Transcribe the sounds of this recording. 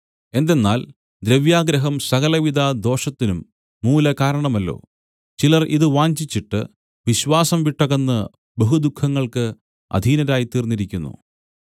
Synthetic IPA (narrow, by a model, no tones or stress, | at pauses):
e̞nd̪e̞nːaːl | d̪ɾeʋjaːɡɾɐɦɐmsɐɣɐlɐʋid̪ʱad̪o̞ːʂɐt̪ːinumː | uːlɐkaːɾɐɳɐmɐlːo̞̰ː | t͡ɕilɐrʔiðɨʋaːɲd͡ʑit͡ɕːiʈːɨ̰ | ʋiɕʋaːsɐmʋiʈːɐɣɐnːɨ | beɦud̪ukʰːɐŋːɐɭkɨ | ɐ̰d̪ʱiːnɐɾaːjit̪iːrnːiɾikʲːunːṵ